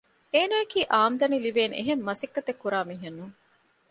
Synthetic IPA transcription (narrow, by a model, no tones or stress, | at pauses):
eːnajekiːʔaːmd̪ɐniliʋeːnḛɦemːɐsikːɐt̪ekːuɾaːmiːɦenːuŋ